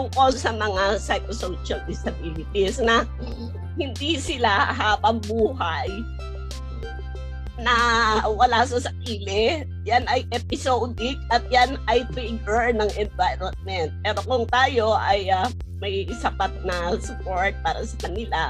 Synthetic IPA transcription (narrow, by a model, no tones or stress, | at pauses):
pʊkosɐmɐŋasɐjkosowʃɐld̪ɪsɐbiːlɪt̪ɪsnɐ | hɪnd̪isɪlaɦaːbɐŋbuːɦaj | nɐwɐlas̬ɐsɐkiːlɪ | janɐjʔɛpɪsowd̪ɪk̚ʔɐt̪̚janɐjt̪ɾiɡɛɹnɐŋʔɛnvajɾonmɛnt̪̚pɛːɾokʊŋt̪aːjo̞ʔɐja | mɐɡisɐpat̪̚nɐsʊpoɹt̪̚paːɾɐsɐ̥kɐnɪla